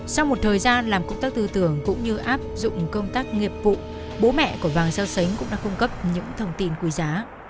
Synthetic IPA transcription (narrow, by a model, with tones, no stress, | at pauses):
sa˧wŋ͡mmo˨˩t̚t̪ʰəː˨˩jzaː˧nlaː˨˩mkə˧wŋ͡mt̪aː˦˥k̚t̪ɨ˧t̪ɨ˧˩əŋkʊ̰˧˥ŋ͡mɲɨ˧ʔaː˦˥p̚zʊ̰˧˨ŋ͡mkə˧wŋ͡mt̪aː˦˥k̚ŋi˨˩əp̚vṵ˧˨ | ɓo˨˦mɛ̰˧˨ku˧˩əvaː˨˩ŋsaː˧wsə˨˦jŋ̟kʊ̰˧˥ŋ͡mɗa̰ː˧˥kʊ˧ŋ͡mkə˦˥p̚ɲɨ̰˧˥ŋt̪ʰə˧wŋ͡mt̪i˧˩nku˨˩˦zaː˨˦